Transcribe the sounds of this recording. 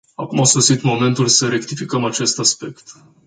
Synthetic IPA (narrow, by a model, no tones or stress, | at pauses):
a̰kumasosit̪mo̞me̞nt̪ulʲsəɾe̞kt̪ifikəmat͡ʃe̞st̪aspe̞kt̪